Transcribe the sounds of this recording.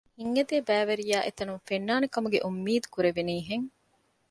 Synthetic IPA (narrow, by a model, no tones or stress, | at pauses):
hiŋːɐd̪eːbæːʋeɾijaːʔet̪ɐnumfenːaːnekɐmuɡḛʔumːiːd̪u̥kuɾeʋiniːɦeŋ